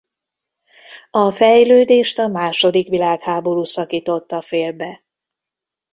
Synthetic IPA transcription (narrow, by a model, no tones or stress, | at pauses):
ɒfɛjløːd̪eːʃt̪ɒmaːʃo̞d̪ikʋilaːkhaːbo̞ɾuːsɒkiːt̪o̞t̪ːɒfeːlbɛ